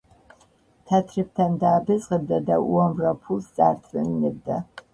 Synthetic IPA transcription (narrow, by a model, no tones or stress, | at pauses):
tʰɐtʰrɨp̚tʰɐmdaːbɨzʁəb̚dɐdɐʔɔmrɐpʰulst͡sʼa̰ːrtʰrɨnnɨb̚dɐ